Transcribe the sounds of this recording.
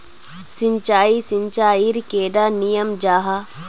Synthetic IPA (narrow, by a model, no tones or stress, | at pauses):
sɪɲt͡ʃaːisɪɲt͡ʃaːiɾkeːɖaːnijəmd͡ʒaːɦa